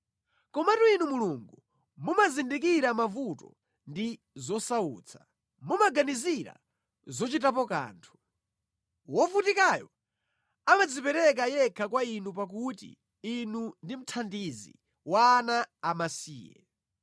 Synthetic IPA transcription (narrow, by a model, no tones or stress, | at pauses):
kɔmatuinumuluŋɡu | mumazindik̬iɾamavutɔ | ndi | zɔsauːt͡sʰḁ | mumaɡaniziɾa̰ | zɔt͡ʃitap̬ɔka̰ːntʰu̥ | wɔvutikajɔ | amad͡zipɛɾɛk̬ajɛkʰakwainup̬ak̬utḭ | inundim̩tʰandizḭ | waːnaːmasḭːjɛ̰